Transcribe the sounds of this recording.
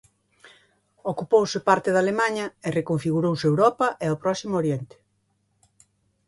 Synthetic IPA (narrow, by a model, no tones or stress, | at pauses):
okupowsɪpaɾt̪ɪðalemaɲɐerekoɱfiɣuɾowseewɾɔpɐʔeawpɾɔsimooɾjent̪ɪ̥